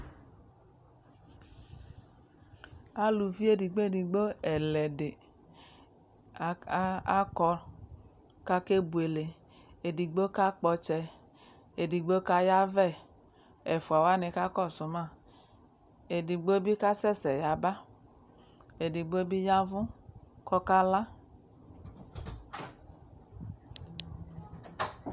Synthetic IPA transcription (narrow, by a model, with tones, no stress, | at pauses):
a˦lu˨vi˦e˦di˨ɡ͡bo˦e˦˨di˨ɡ͡bo˦ɛ˨lɛ˨de˨˦ | a˦kɔ˦ | ka˦ke˦bu˨e˨le˨ | e˨di˨ɡ͡bo˦ka˦k͡pɔ˦t͡ʃɛ˦ | e˨di˨ɡ͡bo˦ka˦ja˦vɛ˦˨ | ɛ˨fu˨a˨wa˦ne˧ka˦kɔ˦˨sʊ˨ma˦˨ | e˨di˨ɡ͡bo˦bi˦ka˦sɛ˦˨sɛ˨ja˨ba˦ | e˨di˨ɡ͡bo˦bi˦ja˦vũ˦kɔ˦ka˦la˦